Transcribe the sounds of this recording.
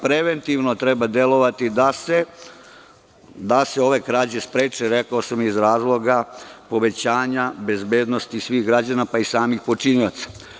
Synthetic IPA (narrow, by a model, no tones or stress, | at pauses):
pɾe̞ʋe̞nt̪iʋno̞t̪ɾe̞bad̪e̞lo̞ʋat̪id̪ase | d̪ase̞o̞ʋe̞kɾaːd͡ʑespɾeːt͡ʃeɾe̞kaosamjizɾaːzlˠo̞ɡapo̞ʋe̞t͡ɕaːɲabe̞zbe̞ːd̪nost̪isʋiːɣɡɾad͡ʑanapaisaːmixpo̞t͡ʃiniot̪sḁ